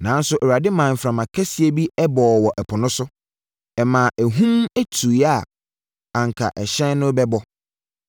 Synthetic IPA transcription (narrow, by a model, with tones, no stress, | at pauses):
nã˨˦n̩˦sʊ˦ʔɛ˨wa˨dɪ˦mã˨m̩˨fɾã˨mã˨kʰæ˦si˦e˦bi˦ɛ˦bɔː˨wɔ˨ʔɛ˨pʰʊ˨nʊ̃˦sʊ˦ | ɛ˨mã˨ʔæ˨ɦũ˦mæ˦tʰu˨i˨˦a˨ | ã˨ŋ̩˨kʰa̰˨ʔɛ˨ɕɛ̃˦nnʊ̃˦bɛ˦bɔ˦